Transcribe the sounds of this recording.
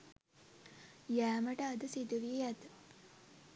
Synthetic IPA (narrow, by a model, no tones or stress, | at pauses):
jæːməʈəːd̪əsid̪uʋiejæd̪ə